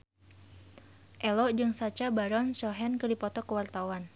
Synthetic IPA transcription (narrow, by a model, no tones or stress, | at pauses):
ʔɛlɔd͡ʒɨŋsat͡ʃabaɾɔnsɔɦɛnkɨrdipɔt̪ɔkəwart̪awan